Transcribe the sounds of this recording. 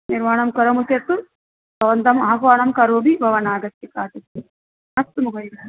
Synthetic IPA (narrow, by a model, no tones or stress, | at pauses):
niɾmaːɳɐmkɐɾɐmuset̪ːu | bɐʋɐnd̪ɐmɐɐkaːɳɐmkɐɾoːbʱibʱɐʋɐnaːɡɐt̪ːɐkaːt̪iti | ɐst̪umukʰɐjiɡɐɐ